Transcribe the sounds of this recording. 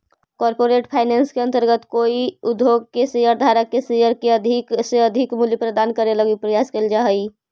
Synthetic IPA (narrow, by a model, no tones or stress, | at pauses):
kɔɾpoɾeʈpʰaːɪnɛːnskeə̃nt̪əɾɡət̪koːiʊd̪ʱjoɡ̚kesejəɾd̪ʱaːɾəkːesejəɾkeəd̪ʱikseəd̪ʱikmuljəpɾəd̪aːnkəɾeləɡipɾəjaːskeld͡ʒaɦəi